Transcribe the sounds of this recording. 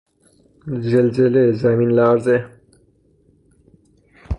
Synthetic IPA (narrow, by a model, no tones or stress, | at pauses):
zelzelezæminlaːɾze